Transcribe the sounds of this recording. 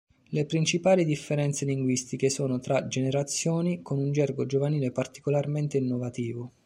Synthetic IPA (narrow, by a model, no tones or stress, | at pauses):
lepɾint͡ʃipaːlid̪ifːeɾɛnt̪seliŋɡwist̪ikesoːnot̪ɾad͡ʒeneɾat̪sːjoːnikonund͡ʒɛrɡod͡ʒovaniːlepart̪i̥kolarment̪einːovat̪iːvo